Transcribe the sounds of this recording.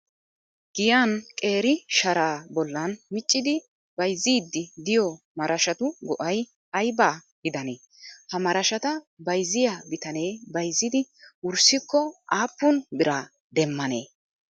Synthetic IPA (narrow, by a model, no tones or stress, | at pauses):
ɡ̥ɪjaːnkʼe̞ːɾɪʃɐɾaːbɔlːɐnmɪt͡ʃʼːɪd̪ɪ | bɐjzːiːd̪ːɪd̪ɪjɔ | mɐɾɐʃɐt̪ʊɡɔʔɐj | ɐjbaː | ɡɪd̪ɐneː | hɐmɐɾɐʃɐt̪ɐ | bɐjzɪjabɪt̪ɐne̞ːbɐjzːɪd̪ɪʊɾsɪkːɔaːpːʊnbɪɾaː | d̪ɛmːɐnḛː